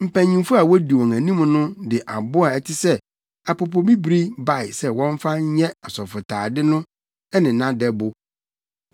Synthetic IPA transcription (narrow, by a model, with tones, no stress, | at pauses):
m̩˨pʰæ̃˨ɲĩ˨mfʊ˦a˨wɔ˦di˨wɔ̃˨ŋæ̃˨nĩ˦m˦nʊ̃˦dɪ˨ʔa˨bʊ˦a˨ɛ˨tʰɪ˦sɛ˦ | a˨pʰo˨p̬ʰo˨bi˦bɾi˦ba˦˨ɪ˨sɛ˦wɔ̃˦ɱ˦fa˦ɲ˦ɲɛ̃˦a˨sɔ˨fʊ˨tʰaː˨dɪ˦nʊ̃˦ | ɛ˦nɪ̃˨nã˦dɛ˦bʊ˦